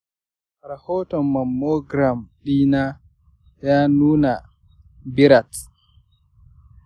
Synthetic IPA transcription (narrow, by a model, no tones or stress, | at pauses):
ɾahɔːtɔmːamːɔɡɾamɗiːna | januːna | biɾat